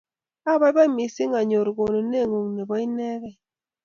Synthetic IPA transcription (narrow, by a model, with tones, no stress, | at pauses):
a˦˨ba˦jba˦i˦mi˨si˦ŋa˨ɲo˨ɾɡo˨no˨ne˦˨ŋu˨ŋne˨bɔ˦i˦nɛ˦ɣɛ˨